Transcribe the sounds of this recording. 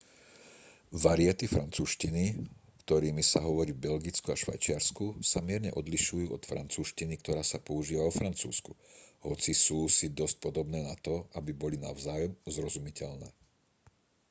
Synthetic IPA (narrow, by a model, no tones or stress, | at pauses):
ʋaɾiat̪ifɾant͡suːʃcini | kt̪ɔɾiːmisaɦɔʋɔɾiːbɛlɡit͡skuaʃʋa̰jt͡ʃɪaɾskusamɪɛɾɲɛ̰ʔɔd̪liʃujuːɔt̪fɾa̰nt͡suːʃcinikt̪ɔɾaːsapɔuʒiːʋaʋɔfɾant͡sṵːskuɦɔt͡sisuːsid̪ɔsc̚pɔd̪ɔbnɛːnat̪ɔabibɔlinaʊzaːjɔmzɾɔzumicɛʎnɛ̰ː